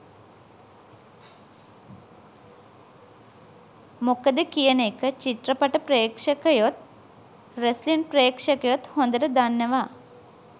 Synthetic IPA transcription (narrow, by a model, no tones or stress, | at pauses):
mokəd̪ekijənekət͡ʃit̪rəpaʈəpɾejːkʂəkəjot̪̚ | reslinprejkʂəkəjot̪hond̪əɾəd̪anːəʋa